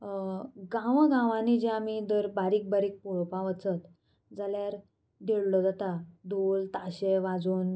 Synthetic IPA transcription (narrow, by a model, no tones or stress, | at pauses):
ɡãʋəɡãʋãnid͡ʑeamid̪əɾbaɾiːk̚baɾiːk̚puɭpãʋət͡sət̪ | d͡zaljaɾ | d̪eɭlɔd͡zat̪ad̪olt̪aɕeʋad͡zuːn